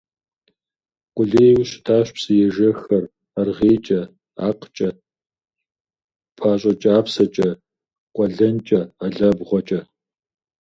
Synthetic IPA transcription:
qʷʼʊɮeːjwɕɪtʰaːɕpsɨjɛʒɐxɐr | ɐrʁeːt͡ʃʼɐ | a̰ːqt͡ʃʼɐ | pʰaːɕʼɐt͡ʃʼaːpsɐt͡ʃʼɐ | qʷʼɔɮɐnt͡ʃʼɐaɮɐbʁʷɔt͡ʃʼɐ

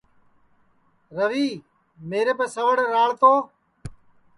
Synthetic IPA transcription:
ɾəʋiː | meːɾeːpeːsəʋəɽeɾaːɭt̪oː

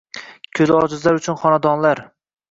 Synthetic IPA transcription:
kʲʰɵzɒd͡ʒɪzlaɾʊt͡ʃʰʊnχɒnad̪ɒnlaɾ

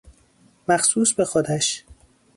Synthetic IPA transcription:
mæxsuːsbe̞xod̪æʃ

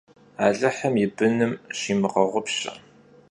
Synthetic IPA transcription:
aːɮɐħɐmjɪbɨnɨmɕiːmɨʁɐʁʷʊpɕɐ̰

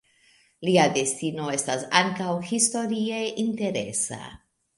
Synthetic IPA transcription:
liade̞stino̞e̞stasaŋkawhisto̞ɾie̞ʔinte̞ɾe̞̰sa̰

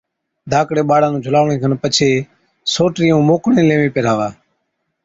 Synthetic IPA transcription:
d̪ʱaːkɽeːɓaːɽãːnũːd͡ʒʱʊlaːʋɳẽːɡənpət͡ʃʰeː | soːʈɾiːũːmoːkɳẽːlẽːmẽːpeːɾaːʋaː

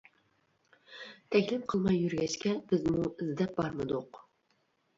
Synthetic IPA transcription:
t̪ʰɛkʲlɪmqʰəlˠmɑjːyɾɡʲɛʃkʲɛb̥ɪzmuɪzd̪ɛp̚bɑɾmɨd̪uq

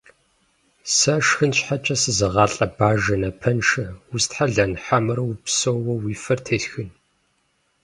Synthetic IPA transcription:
sɐʂxɨnɕħat͡ʃʼɐsɨzɐʁɑːɬʼɐbaːʒɐnɐpʰɐnʂɐwʊstħaɮɐnħamɨɾɐwipsowwɐwiːfɐrtʰeːɬxɨn

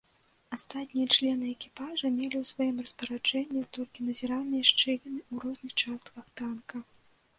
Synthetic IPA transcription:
ast̪at̪ʲnʲijɐt͡ʂlʲɛnɨɛkʲi̥paʐɐmʲelʲiwsvajimrɐspɐɾad͡ʐɛnʲːit̪ɔlʲkʲinɐzʲɛɾanɨjɐʂt͡ʂɛɣʲinɨuɾɔznɨxt͡ʂast̪kɐxt̪ankɐ

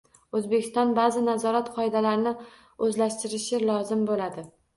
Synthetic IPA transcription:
ɵzbekʲʰɪst̪ɒnbazɪnazɒɾat̪qʰɒɪd̪alaɾnɪ | ɵzlaʃt̪ɪɾɪʃɪlɒzɪmbolad̪ɪ

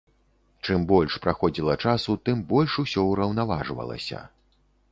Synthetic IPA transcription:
t͡ʂɨmbɔlʲʂpɾaxɔd͡zʲilˠɐt͡ʂasut̪ɨmbɔlʲʂusʲɔuɾɐwnavaʐvɐ̰lˠɐ̰sʲɐ̰

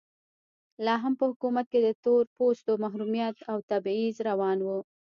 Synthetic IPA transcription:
lɑɦampəhʊkumat̪̚ked̪ət̪oɾpost̪omaɦɾumjat̪awt̪abizɾawɑnwu

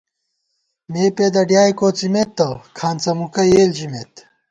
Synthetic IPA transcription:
meːped̪ɐɖjaːjkoːt͡simet̪ːɐkʰaːnt͡sɐmukɐjeːld͡ʑimet̪

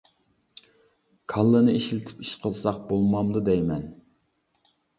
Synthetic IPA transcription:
kʰɑlˠːɨnɨeʃilɪt̪ʰɪ̥pi̥ʃqʰəlˠsɑq̚bolˠmɑmd̪ud̪ɛjmɛn

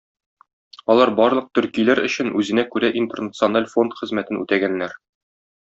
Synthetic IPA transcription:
ɒlˠɑɾbɒɾlˠɤq̚t̪ɵ̆ɾkijlæɾɵ̆ɕɘ̆nʉzɘ̆nækʉɾæʔint̪ernət̪sɨonalʲfo̞nt̪χɘ̆zmæt̪ɘnʉt̪æɡænːæɾ

